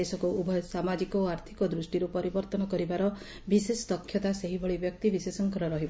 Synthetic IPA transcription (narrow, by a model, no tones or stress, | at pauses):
esɔkuubʱɔjsamad͡ʒikɔaɾt̪ʰi̥kɔd̪ɾusʈiɾupɔɾibɔɾt̪ɔnɔkɔɾibaɾɔ | bisesɔ̥t̪ɔkʰːjɔt̪aseɦibɔɭibjɔk̚t̪ibisesɔŋkɔɾɔɾɔɦib